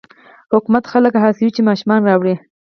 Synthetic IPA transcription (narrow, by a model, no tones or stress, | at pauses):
hʊkumat̪xaləkɦɑsɪwit͡ʃemɑʃumɑnɾɑwɽi